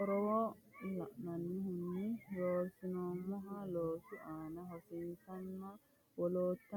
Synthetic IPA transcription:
ɔɾɔwɔla̰ʔnanːihunːiɾosinɔmɔɦaloːsuanaɦɔfinsanːa | wɔlot̪ːa

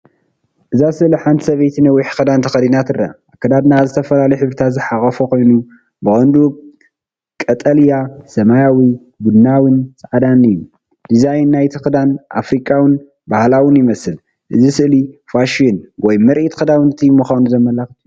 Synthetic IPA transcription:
ʔɨzasɨʔliħant̪ʰi̥sɐβejt̪ʰinɐwːiħxɨd̪ant̪ʰɐxɐd̪inat̪ɨrːa̰ʔakːɐd̪ad̪nazɨt̪ʰɐfɐlalɐjħɨβɾɨt̪ʰat̪zɨħakʼɐfokʰo̞jnu | bɨxʼɐnd̪u | kʼɐt̪ʼɐljasɐmajawi | ɡud̪nawɨnt͡sʼaʕad̪anɨjːu | d̪̥izajnːajt̪ʰɨxɨd̪anʔa̰fɾikʼːawɨn | bahlawɨnjɪmɐsɨl | ʔɨzisɨʔlifaʃinwɔjmɨɾʔit̪ʰxɨd̪awɨnɨt̪ʰimɨxanuzɐmɐlaxɨt̪

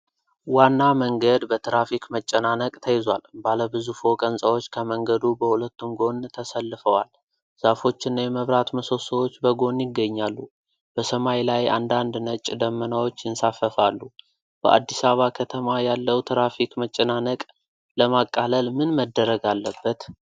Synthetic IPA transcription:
wanːaməŋɡəd̪bət̪ʰɾafikmət͡ʃʼːənanəkʼt̪ʰəjɪzwa̰lbaləbɨzufo̞kʼənsʼəwo̞t͡ʃːkʰəməŋɡəd̪ubəhulət̪ːumɡo̞nt̪ʰəsəlːɨfəwa̰l | zafo̞t͡ʃːɪnːjɛməβɾat̪məso̞səwot͡ʃːbəɡo̞njɪɡːəɲːalːu | b̥əsəmajlajʔa̰nd̪and̪nət͡ʃʼd̪əmːənawot͡ʃːjɪnsafəfalːu | b̥ə̰ʔa̰d̪ːisaβakʰət̪ʰəmajalːəwt̪ʰɾafikmət͡ʃʼːənanəkʼ | ləmakʼːaləlmɨnməd̪ːəɾəɡalːəbːət̪

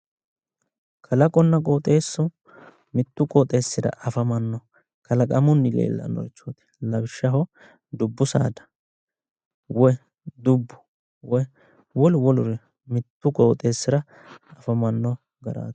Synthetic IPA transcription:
kʰɐlɐkʼɔnːɐkʼoːt̪ʼe̞ːsːʊ | mɪt̪ːʊkʼoːt̪ʼe̞ːsːɪd̪ɐ̰ʔɐfɐmɐnːɔ | kʰɐlɐkʼɐmʊnːɪlḛːlːɐ̰nɔ̰jt͡ʃːoːt̪ɛ̥lɐbɪʃːɐɦɔ | d̪ʊbːʊsa̰ːd̪ɐ̥ | wɔj | d̪ʊbːʊ̥ | wɔj | wɔlwɔlʊɾɛ | mɪt̪ːʊkʼoːt̪ʼe̞ːsːɪɾɐ | ɐfɐmɐnːɔ | ɡɐɾa̰ːt̪

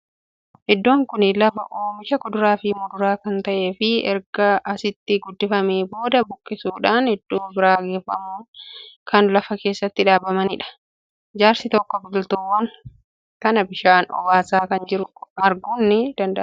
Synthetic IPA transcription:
ʔɛd̪ːo̞ːŋkʊnɪlɐfɐʔoːmɪʃɐkɔd̪ʊɾaːfɪmʊd̪ʊɾaːkɐnt̪ɐʔe̞ːfɪɛ̰ɾɡɐɐsɪt̪ːɪɡʊd̪ːɪfɐmeːbo̞ːd̪ɐbʊkʼːɪsuːᶑaːnhɛd̪̥ːuːbɪɾaːɡeːfɐ̰muːkɐnlɐfɐke̞ːsːɐt̪ːɪᶑaːbɐmɐnɪᶑɐ̥ | d͡ʒaːɾsɪt̪ɔkːɔbʊlt̪uwːɐŋ | kɐnɐbɪʃaːnɔ̰waːsaːkɐnd͡ʒɪɾʊɐɾɡʊnːɪd̪̥ɐnd̪ɐʔ

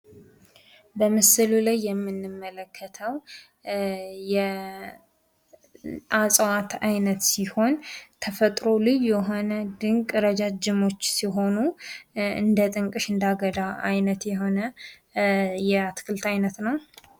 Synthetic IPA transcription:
bəmɨsɨlulajːɛmːɨnːɨmːələkʰːət̪ʰəw | jɛ | ʔasʼwat̪ʰajnət̪siho̞nt̪ʰəfət̪ʼɾo̞lɨjːjɛɦo̞nəd̪ɨŋkʼɾəd͡ʒad͡ʒɪmo̞t͡ʃːsiɦo̞nu | ɨ̰nd̪ət̪ʼɨŋkʼɨʃɨnd̪aɡəd̪aʔa̰jnət̪jɛɦo̞nə | jɛat̪kʰɨlt̪ajnət̪nəw

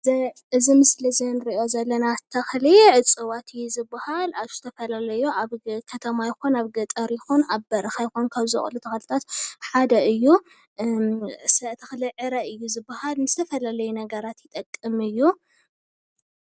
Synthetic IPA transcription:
ʔɨzimɨslizenɨɾiʔo̞zɐlːɐnat̪ʰɐxliʕɨt͡sʼɨwat̪ʰɨjːuzɨbːahalaz̥ɨt̪ʰɐfɐlalɐjuʔaβkʰɐt̪ʰɐmajɪxonaβɡɐt̪ʼɐɾjɪxunaβbɐɾɐxajxunkʰaβzɨ̰xʼlut̪ʰɐxlɨt̪ʰat̪ħad̪ɐɨjːu | sɐʔt̪ʰɐxliʕɨɾɐɨjːuzɨbːahalmɨzɨt̪ʰɐfɐlalɐjunɐɡɐɾat̪jɪt̪ʼɐkʼːɨmɨjːu

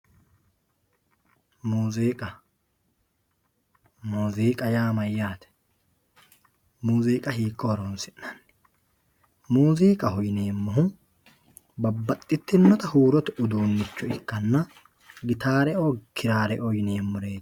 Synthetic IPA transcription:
muːziːkʼɐ | muːziːkʼɐjaːmɐjːaːt̪ɛ̥ | muːziːkʼɐhiːkʼːɔhɔɾonsɪnːɐnː | muːziːkʼɐhɔjneːmːɔɦʊ | bɐbːɐt̪ʼːɪt̪ːɪnːɔt̪ɐhuːɾɔt̪ɛʔʊd̪uːnːɪt͡ʃːɔɪkːɐnːɐ | ɡɪt̪aːɾɛʔɔkʰɪɾaːɾɛʔɔjneːmːʊɾe̞ːd̪

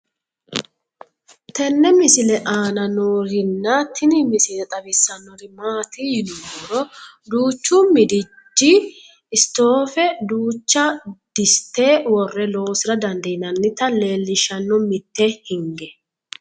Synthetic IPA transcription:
t̪ʰɛnːɛmɪsɪlɛʔaːnɐnoːɾɪnːɐt̪ʰɪnɪmɪsɪlɛt̪ʼɐbɪsːɐnːɔɾɪmaːt̪ɪjɪnʊɡɔɾɔ | d̪uːt͡ʃːumɪd̪ɪ | d͡ʒːi | ɪst̪o̞ːfɛd̪uːt͡ʃːɐd̪̥ɪst̪ːeːwɔrːɛlo̞ːsɪɾɐd̪ɐnd̪ɐjɪnɐnːɪt̪ɐle̞ːlːɪʃɐnːɔmɪt̪ːehɪŋɡɛ

